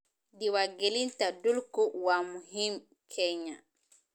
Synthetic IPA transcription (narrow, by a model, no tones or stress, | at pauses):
diwaɡelintadulkɔwamuɦim | kʰɛɲa